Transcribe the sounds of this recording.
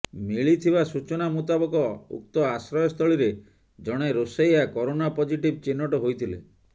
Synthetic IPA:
miɭit̪ʰibasut͡ʃɔnamut̪abɔkɔṵk̚t̪ɔasɾɔjɔst̪ʰɔɭiɾe | d͡ʒɔɽ̃eɾosejakɔɾonapɔd͡ʒiʈib̚t͡ʃinːɔʈɔɦojt̪ʰilḛ

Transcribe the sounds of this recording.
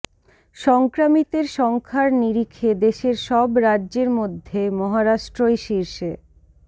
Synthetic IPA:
ʃɔŋkɾamit̪eɾʃɔŋkʰaɾniɾikʰːed̪eʃeɾʃɔbɾadːʑeɾmod̪ʱːemɔɦaɾaʃʈɾojʃiɾʃe

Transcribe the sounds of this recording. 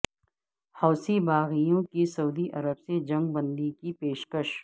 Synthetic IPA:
hɐːsibaːɣijõkisɐuːd̪iʔɐɾəbsed͡ʒɐ̃ŋɡ̚bɐ̃nd̪ikipeːʃkəʃ

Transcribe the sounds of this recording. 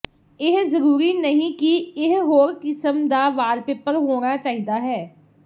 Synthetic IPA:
ɪɦzəɾuːɾiːnəɦĩːkiɪɦɦoːɾkɪsəmd̪aːʋaːlpɪpːəɾɦoːnaːt͡ʃaːɦiːd̪aːɦɛː

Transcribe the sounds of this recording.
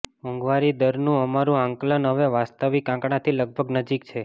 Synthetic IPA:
mə̃ŋɡʋaɾid̪əɾnũəmaɾũãŋklənɦəʋeʋast̪əʋikãkɳãt̪ʰiləɡ̚bʱəɡnəd͡ʒik̚t͡ʃʰe

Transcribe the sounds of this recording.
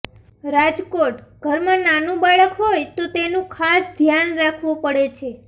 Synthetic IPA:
ɾad͡ʒkoʈɡ̥ʱəɾmãnanũbaɭəkɦojt̪ot̪enũkʰasd̪ʱjanɾakʰʋũpəɽet͡ʃʰe

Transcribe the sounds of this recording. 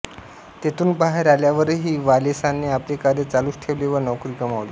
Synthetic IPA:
t̪et̪uːnbaɦeɾaljaʋəɾɦiːʋalesanːeaplekaɾet͡saluːsʈʰeʋleʋənɔkɾikəmaʋli

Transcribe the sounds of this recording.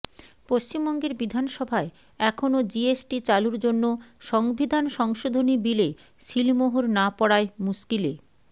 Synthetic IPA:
poʃt͡ɕimbɔŋɡeɾbid̪ʱanʃɔbʱae | ɛkʰonod͡ʑiesʈit͡ɕaluɾd͡ʑonːoʃɔŋbʱid̪ʱanʃɔŋʃod̪ʱonibile | ʃilmoɦoɾnapɔɽaemuskile

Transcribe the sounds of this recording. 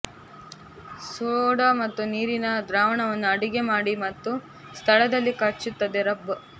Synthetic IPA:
soːɽɐmɐt̪ːuniːɾinɐd̪ɾaːʋɐɳɐʋɐnːuɐɽiɡe̞maːɽimɐt̪ːu | st̪ʰɐɭɐd̪ɐlːikɐt͡ʃut̪ːɐd̪eɾɐbɐ

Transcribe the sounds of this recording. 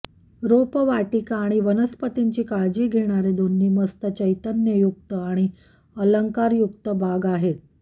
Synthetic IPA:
ɾopəʋaʈikaɽ̃iʋənəspət̪iɲt͡ɕiːkaɭd͡ʑiːɡʱeɽ̃aɾed̪onːiːməst̪ət͡ɕəjt̪ənjəjuk̚t̪əaɽ̃i | ələŋkaɾjukt̪əbʱaɡaɦet̪̚

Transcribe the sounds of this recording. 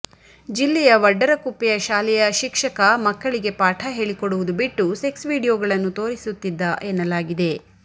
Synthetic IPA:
d͡ʒilːɛjɐʋɐɖːɐɾɐkupːijɐʃaːlɛjɐʃikʂɐkɐmɐkːɐɭiɡe̞paːʈʰɐɦe̞ːɭikoɽuʋud̪ubiʈːuse̞ksʋiːɽijoːɡɐɭɐnːut̪o̞ːɾisut̪ːid̪ːɐʔenːɐlaːɡid̪e̞

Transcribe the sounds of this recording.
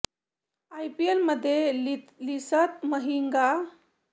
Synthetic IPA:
ajpielməd̪ʱːjelisət̪̚məɦiŋɡa

